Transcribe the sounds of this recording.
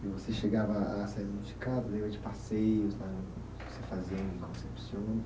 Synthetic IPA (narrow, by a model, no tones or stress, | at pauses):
ɪvoseʃeɡavɐasɛɾznufi̥kad̪ʊlemɐd͡ʒɪpasejʊzlã | vosefaziɐ̃ĩkõsepsiõn